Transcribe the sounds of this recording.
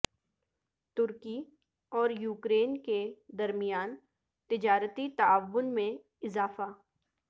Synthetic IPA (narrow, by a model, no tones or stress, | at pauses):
t̪ʊɾki | ɔːɾjuːkɾeːnked̪ɐɾmijaːn | t̪ɪd͡ʒaːɾət̪it̪aaʋːʊnmẽ | ɪzaːfa